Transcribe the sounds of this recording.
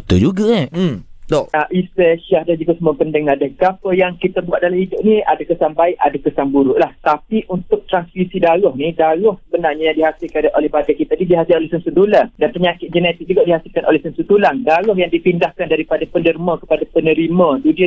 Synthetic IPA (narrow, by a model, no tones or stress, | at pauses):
t̪ud͡ʒuɡa | d̪oaʔiseʃahdand͡ʒuɡasəmuapəndəŋardahɡapəjaŋkit̪abuaʔ̪̚dalahidʊp̚niadakəsaŋbaiʔa̰dakəsaŋbuɾuʔlaht̪apiʔunt̪ʊk̚t̪ɾansfisidalɔhnĩdaɾʊhsəbənarɲajaŋdiɦasɪlkadaʔolɛhbadakit̪adidiɦasɪlolɛhsənsud̪ulandanpəɲakɪt̪ʔ̚d͡ʒənet̪ɪk̚d͡ʒuɡaʔdihasɪlkanʔo̰lɛhsənsud̪ulandaɾʊhjaŋdipindahkandaɾipadapəndərmãkə̥padapənə̃ɾimãt̪udi